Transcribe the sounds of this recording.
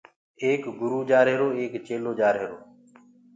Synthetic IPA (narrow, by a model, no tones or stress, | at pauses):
eːkɡʊɾuːd͡ʒaːɾɦeːɾoːeːkt͡ʃeːloːd͡ʒaːɾɦeːɾoː